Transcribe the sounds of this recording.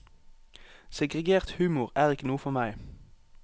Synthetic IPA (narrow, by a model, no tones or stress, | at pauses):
sɛɡʁɛɡeːʁt̪hʉːmʊʁæːʁɪkənuːəfɔʁmæɪ